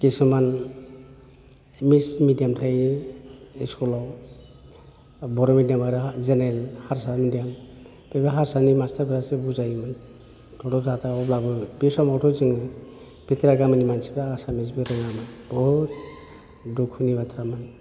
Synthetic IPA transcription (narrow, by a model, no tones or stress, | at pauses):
kisɔman | mismidijamtʰaj | iskulɔw | bɔɾɔmidijamaɾɯzenɾelhaɾsamidijam | bebaɦaɾsanimastaɾbʰɾasebuzajmɯn | tʰɔtɔtʰataɔblabɯbisɔmɔtʰɔzɯŋɯ | b̥itiɾaɡamanimansibɾaɡasamis̬bɯɾɯŋamanbɔɦut̚ | dukʰːunibatʰɾaman